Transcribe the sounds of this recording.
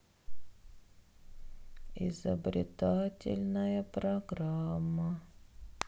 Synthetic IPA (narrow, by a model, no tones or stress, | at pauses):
ɪ̰zəbɾʲɪ̰t̪atʲɪ̰lʲnəjəpɾɐɡɾamːə